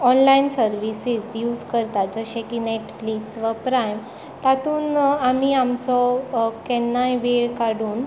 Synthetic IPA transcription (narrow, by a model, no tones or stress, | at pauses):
ɔnlainsəɾʋisid͡zjuːd͡zkəɾt̪ad͡zəɕẽkineʈfliksʋapɾajm | t̪at̪uːnamiamt͡sɔkɛnːajʋeɭkaɽuːn